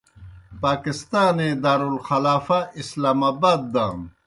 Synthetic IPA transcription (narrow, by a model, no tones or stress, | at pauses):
paːkist̪aːned̪aːɾulxɐlaːfaislaːmaːbaːd̪̚ːaːm